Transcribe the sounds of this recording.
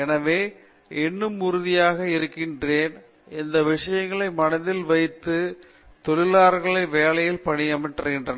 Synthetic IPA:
ɛnɐʋeː | ɛnːɯmʊɾʊðɪjaːɣɐɪɾɯkːɪndreːn | ɛnd̪ɐʋɪʂɐjɐŋɡɐɭɐɪmɐnɐðɪlʋɐɪt̪ːɯ | t̪ɔɭɪlaːɾɣɐɭɐɪʋeːlɐjɪlpɐɳɪjɐmɪʈrɐɣɪndrɐn

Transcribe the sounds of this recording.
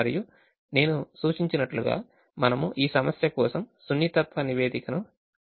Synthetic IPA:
ɾiju | ne̞ːnusuːt͡ʃiɲt͡ʃinɐʈluɡa̰ː | mɐnɐmuʔiːsɐmɐsjɐkɔːsɐmsunjit̪ɐt̪ʋɐniʋe̞ːd̪ikɐnu

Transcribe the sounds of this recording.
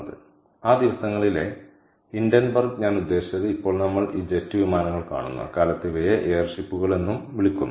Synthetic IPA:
ðɨ̰ | aːd̪iʋɐsɐŋːɐɭile̞̰ | indjɐnbɐrɡɲaːnud̪ːe̞ːɕi̥t͡ɕːɐðɨipːo̞ːɭnɐmːɐɭiːd͡ʑe̞tːɨʋimaːnɐŋːɐɭka̰ːɳunːṵɐ̰kaːlɐt̪ːiʋɐjɐʔeːrʂipːuɣɐɭe̞nːumʋiɭikʲːunː

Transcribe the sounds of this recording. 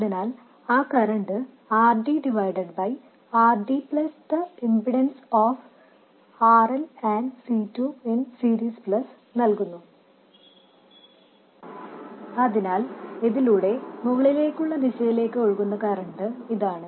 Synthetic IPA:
ɐðinaːl | aːkɐɾɐɳɖɨ | aːrɖiɖiʋɐjɖeɖbɐj | aːrɖipɭɐst̪ɨimbiɽɐnsoːf | aːrɐlɐːɳɖsiːtːuensiːɾiːspɭɐs | nɐlkunːu | ɐðinaːleðiluːɽe̞muɣɐɭile̞ːkʲːuɭːɐd̪iɕɐjile̞ːkːɨoɻkunːɐkɐɾɐɳɖɨiðaːɳɨ

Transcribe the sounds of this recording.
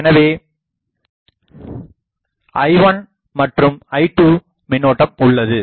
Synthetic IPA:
ɛnɐʋeː | ʔɐɪʋɐn | mɐʈrɯmɐɪʈuː | mɪnoːʈːɐmʊɭːɐðɯ

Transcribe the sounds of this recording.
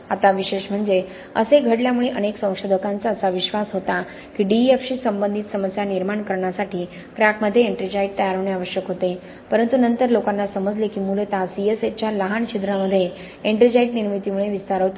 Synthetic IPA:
at̪aʋiɕeʂm̤əɳd͡ze | ə̰seɡʱəɽljamuɭeʔəneksə̃w̃kʂod̪ʱəkãnt͡saːsaʋiɕʋasɦot̪a | kiːɖiefɕiːsəmbənd̪ʱit̪səməsjaniɾmaɳkəɾɳjasaʈiː | kɾakməd̪ʱːjeeɳʈɾid͡ʑaiʈ̚t̪əjaɾɦəʋɳeaʋəɕjəkɦot̪e | pəɾənt̪unənt̪əɾlokanːasəməd͡zlekiːmult̪asieset͡ɕjaləɦaɳt͡ɕʰid̪ɾaməd̪ʱːje | eɳʈɾid͡ʑaiʈniɾmit̪imuɭeʋist̪aɾɦot̪

